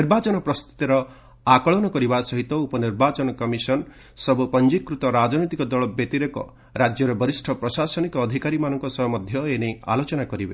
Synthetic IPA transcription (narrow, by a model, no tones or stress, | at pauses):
niɾbat͡ʃɔnɔpɾɔst̪ʰu̥t̪iɾɔ | akɔɭɔnɔkɔɾibasɔɦit̪ɔupɔniɾbat͡ʃɔnɔkɔmisɔn | sɔbupɔnd͡ʒikːɾut̪ɔɾad͡ʒɔnit̪ikɔd̪ɔɭɔbet̪iɾekɔ̰ | ɾad͡ʒjɔɾɔbɔɾisʈʰɔpɾɔsasɔnikɔːd̪ʱikaɾimanɔŋkɔsɔɔmɔd̪ʱjɔenea̰lot͡ʃɔnakɔɾibe